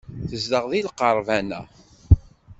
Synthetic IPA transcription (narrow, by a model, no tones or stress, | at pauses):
θəzd̪əʁðilqəɾˤvænæ̰